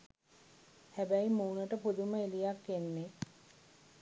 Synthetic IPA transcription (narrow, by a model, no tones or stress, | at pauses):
hæbæjmuːnəʈəpud̪uməelijakːenːe